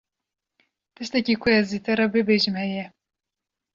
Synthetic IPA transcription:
t̪ɨʃt̪ɛkiːkʰʊɛziːt̪ɛɾɑbɨbeːʒɨmhɛjɛ

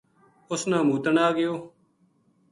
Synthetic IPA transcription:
ʊsnãːmuːt̪əɳaːɡɪjoː

